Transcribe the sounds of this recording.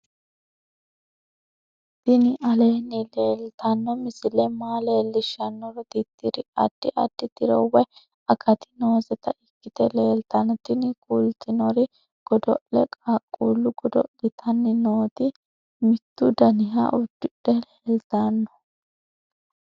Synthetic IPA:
t̪ɪnɪʔɐleːnːɪle̞ːlt̪ɐnːɔmɪsɪlɛmaːleːlːɪʃɐnːɔɾɔt̪it̪ːiɾɪɐ̰d̪̥ːɪʔɐ̰d̪̥ːɪt̪ɪɾɔwɛ | ɐkɐt̪ɪ̥no̞ːzɛt̪ɐʔɪkːɪt̪ɛleːlt̪ɐnːɔt̪ɪnɪkʼult̪ɪnɔɾɪ | ɡ̥ɔd̪ɔʔlɛkʼakʼːuːlːʊɡɔd̪ɔ̰ɡ̥ɪt̪ʰɐnːɪnoːd̪ɪ | mɪt̪ːʊd̪ɐnɪɦa̰ʔʊd̪ːʊᶑɛleːlt̪anːɔ̥

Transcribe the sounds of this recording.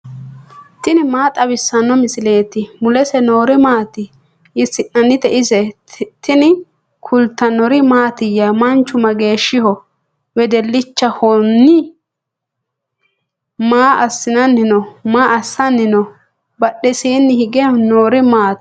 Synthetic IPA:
t̪ɪnɪmaːt̪ʼɐbɪsːɐnːɔmɪsɪle̞ːt̪ɪmʊlɛsɛno̞ːɾɪmaːt̪ɪ | ɪsɪnɐnːɪt̪ɛʔɪzɛt̪ɪnɪ | kʰʊlt̪ːɐnɔɾɪmaːt̪ɪjɐmɐnt͡ʃːʊmɐɡe̞ːʃːɪhɔ | wɛd̪ɛlːɪt͡ʃːɐhɔnːɪ | maːʔɐsːɪnɐnːɪnɔmaːʔɐsːɐnːɪnɔ | bɐɗːɛsiːnːɪhɪɡɛnoːɾɪmaːt̪

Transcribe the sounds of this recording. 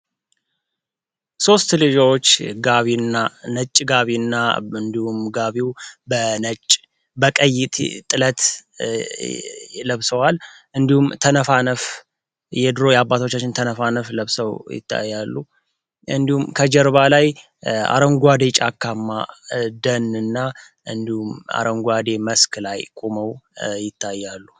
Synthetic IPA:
so̞st̪lɨd͡ʒawot͡ʃːɡaβinːanət͡ʃʼːɡaβinːaɨnd̪ihumɡaβiwbənət͡ʃʼː | bəkʼəjːɪt̪t̪ʼɨlət̪ | ləβsəwal | ʔɨnd̪ihumt̪ʰənəfanəf | jɛd̪ɨɾo̞jɛabːat̪ʰo̞t͡ʃːat͡ʃːɪnt̪ʰənəfanəfləβsəwjɪ̰t̪ʰːa̰jːalːu | ɨ̰nd̪ihumkʰəd͡ʒɛɾβalaj | a̰ɾəŋɡʷad̪e̞t͡ʃʼakʰːamːad̪ənɨnːa | ʔɨnd̪ihuma̰ɾəŋɡʷad̪eməsklajkʼoməwjɪt̪ʰːajːalːu

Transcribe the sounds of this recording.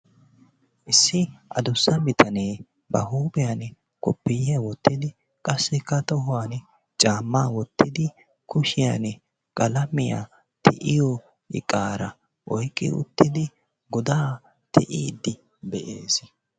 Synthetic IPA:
ʔɪsːɪʔɐd̪ʊsːɐbɪt̪ʰɐneː | bɐɦuːbɪjɐn | kʼɔpːɪjɪjɐwɔt̪ːɪd̪ɪ | kʼɐsːɛkːɐt̪ɔhʊwan | t͡ʃʼaːmːaːwɔt̪ːɪd̪ɪ | kʊʃɪjan | kʼɐlɐmɪja̰ | t̪ʰɛ̰ʔɪjɔ | ɪ̰kʼːaːɾɐ | ʔɔjkʼːɪ̰ʊ̰t̪ːɪd̪ɪ | ɡɔd̪aː | t̪ɛʔiːd̪ːɪ | bɛʔeːs

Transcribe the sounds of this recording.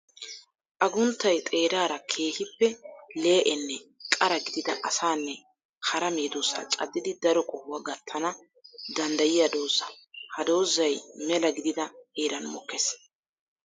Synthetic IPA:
ʔɐɡʊnt̪ːɐjt̪ʼe̞ːɾaːɾɐkʰe̞ːhɪpːɛle̞ːʔɛnːɛkʼɐɾɐɡɪd̪ɪd̪ɐʔɐsaːnːɛ | hɐɾɐmeːd̪oːsɐ̰t͡ʃʼɐ̰d̪ːɪd̪ɪd̪ɐɾɔkʼɔhʊwaɡɐt̪ʰːɐnɐ | d̪ɐnd̪ɐjɪjɐd̪o̞ːzɐhɐd̪o̞ːzːɐjmɛlɐɡɪd̪ɪd̪ɐeːɾɐnmɔkːeːs

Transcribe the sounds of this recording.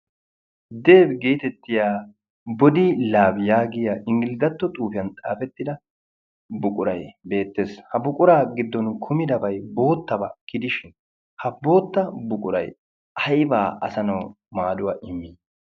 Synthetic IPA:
d̪e̞ːbɡeːt̪ɛt̪ːɪjaː | bɔd̪ɪlaːbjaːɡɪjɐʔɪŋɡɪlɪd̪ɐt̪ːɔt̪ʼuːfɪjɐnt̪ʼa̰ːfɛt̪ːɪd̪ɐ | bʊkʼʊɾɐjbe̞ːt̪ːe̞ːshɐbʊkʼʊɾaːɡɪd̪ːɔnkʰʊmɪd̪ɐbɐjbo̞ːt̪ːɐbɐkɪd̪ɪʃɪn | hɐbo̞ːt̪ːɐbʊkʼʊɾɐ̰j | ʔɐjba̰ːɐsɐnɐw | maːd̪ʊwaːʔɪmːiː

